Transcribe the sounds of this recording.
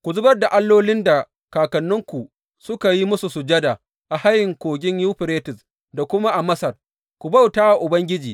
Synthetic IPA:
kʷu˨zʊ˦bɐ˦rda˨ʔa˦lːoː˦lɪ˦nda˨ | kaː˨kɐ˨nːʊ˦ŋkʷu˨ | sʊ˦ka˨ji˦mʊ˦su˨su˨d͡ʒɐ˦da˨ | ʔa˨ha˦jɪ˨ŋkʷoː˨ɡʲɪ˦ɲju˦ɸɪ˨ɾeː˦tɪ˨s | da˨kʷʊ˦ma˦ʔa˨mɐ˦sɐ˨r | kʷu˨bɐ˦˨wtaː˦wa˨ʔʊ˨bɐ˦ŋɡʲɪ˦d͡ʒiː˨

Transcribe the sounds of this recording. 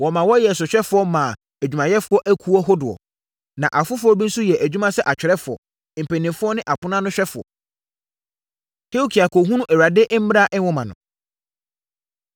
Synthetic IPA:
wɔ˨mã˨wɔ˦jɛ˨s̬ʊ˨ɕᶣɛ˦fʊ˨˦ɔ˦mãː˨ | æ˨d͡ʑᶣu˨mã˨jɛ˦fʊ˦ɔ˦ʔæ˦kʰu˦ɔ˦ɦʊ˦dʊ˨ɔ̰˨ | nã˨ʔa˨fʊ˦fʊ˦ɔ˦bĩ˦n̩˦su˦jɛ˨ʔæ˨d͡ʑᶣu˦mã˦sɛ˦ʔa˨t͡ɕᶣɪ˨ɾɛ˦fʊ˨ɔ̰˨ | m̩˨pɛ˨nĩ˨fʊ˦ɔ˦nɪ̃˦ʔa˨pʊ˦nã˦nʊ̃˦ɕᶣɛ˦fʊ˨ɔ̰˨ | kʰe˦u˦kʰi˨a˨kʰo˨ɦũ˦nʊ̃˦ʔɛ˨ɾa˨dɪ˦ʔm̩˦m˦ɾa˦˨ʔɛ̃˦wɔ˦mã˨nʊ̰̃˨

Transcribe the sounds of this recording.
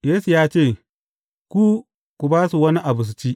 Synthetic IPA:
jeː˦su˨jaː˦t͡ʃeː˦˨ | kʷu˦ | kʷu˨baː˦su˨wɐ˦ni˦ʔa˨bʊ˨s̬t͡ʃiː˦ʔ

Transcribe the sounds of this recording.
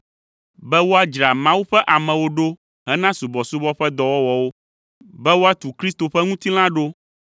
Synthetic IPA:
bɛ˦wo˦a˦d͡ʒɾa˨mã˦wu˦ɸɛ˦ʔa˨mɛ̃˨wo˦ɖo˦ | ɦɛ˦nã˦su˨bɔ˨su˦bɔ˦ɸɛ˦d̪ɔ˨wɔ˦wɔ˨wo˦ | bɛ˦wo˦a˦t̪u˨kɾi˦st̪o˨ɸɛ˦ŋũ˦t̪i˦l̃ã˦ɖo˦

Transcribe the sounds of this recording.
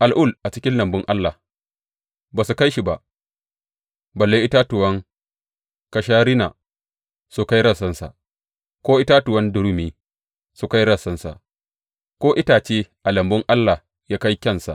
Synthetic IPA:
ʔa˨lʔʊ˦˨lʔa˨t͡ʃɪ˦kʲɪ˦nlɐ˨mbʊ˦ŋʔa˦lːa˨ | baː˨su˨ka˦jʃi˨ba˨ | bɐ˨lːe˦ʔɪ˦ta˦tʊ˨wɐ˦ŋ | ka˦ʃaː˦ɾɪ˦na˨ | su˦ka˦jɾɐ˦˨sɐ˦nsa̰˨ | kʷoː˦ʔɪ˦ta˦tʊ˨wɐ˦ndʊ˨ɾu˦miː˨ | su˨ka˦jɽɐ˦˨sɐ˦nsa̰˨ | kʷoː˦ʔɪ˦taː˨t͡ʃeː˦ʔa˨lɐ˨mbʊ˦ŋʔa˦lːa˨ | jaː˦ka˦jkʲɐ˦nsa̰˨ʔ

